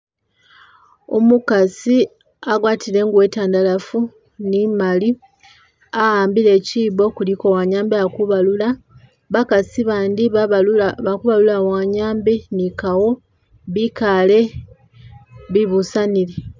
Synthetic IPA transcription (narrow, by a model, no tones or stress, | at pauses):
o̰mukasi | aɡwaːtʰile̞ŋɡuwe̞taːndalafu | nimali | aɣaːmbile̞ciːβo̞kulikowaɲaːmbeakuβalula | βakasiβaːndi | βakuβalulawaɲaːmbenikawo | βikale̞ | βiβusanile